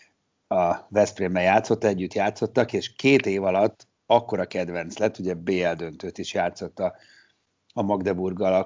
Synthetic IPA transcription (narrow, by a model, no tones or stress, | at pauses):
ɒvɛspreːmbɛjaːt̪so̞t̪ːɛɟːyt̪jaːt̪so̞t̪ːɒkeːʃkeːt̪eːvɒlɒt̪ː | ɒkːo̞ɾɒkɛd̪vɛnt̪slɛt̪ːuɟɛbeːɛld̪ø̞nt̪øːt̪iʃjaːt̪so̞t̪ːɒ | ɒmɒɡd̪ɛburɡɒlɒ